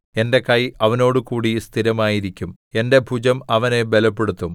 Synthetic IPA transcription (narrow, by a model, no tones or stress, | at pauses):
e̞nde̞kɐjɐʋɐno̞ːɽɨkuːɽist̪ʰiɾɐmaːjiɾikʲːum | e̞nde̞bʱud͡ʑɐmɐʋɐne̞be̞lɐpːe̞ɽut̪ːum